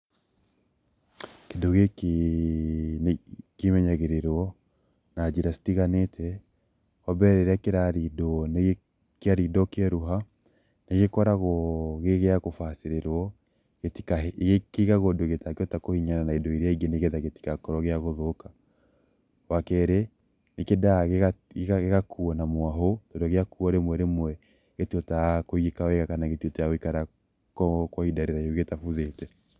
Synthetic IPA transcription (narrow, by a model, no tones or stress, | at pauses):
kedoɣeke | kemɛɲaɣeɾeɾwɔ | nad͡ʒiɾasi̥tiɣanetʰɛ | ɔbɛɾɛɾeakeɾaɾidɔne | keaɾidɔkeɛɾuɦa | neɣekɔɾaɣɔɣeɣeaɣofaseɾeɾwɔ | ɣetikaɣekeɣaɣodoɣetakjɔtakohiɲananaedoiɾeaiɡeneɣeðaɣeti̥kakɔɾɔɣeaɣoðoka | wakɛɾe | nekedaɣeɣaaɣeɣakʰuɔnamwaɦotodɔɣeakuɔɾemwɛɾemwɛ | ɣetuɔtakoiɣikawɛɣakanaɣetiotɛaɣoikaɾa | kɔkwɔidaɾeɾaoɣetafuðetɛ